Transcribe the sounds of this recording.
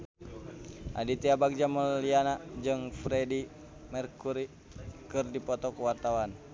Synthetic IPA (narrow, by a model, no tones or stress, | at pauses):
ʔa̰dit̪iabak̚d͡ʒaməlianad͡ʒɨŋfɾɛdi | mɛrkuɾi | kɨrdipɔt̪ɔkuwart̪awan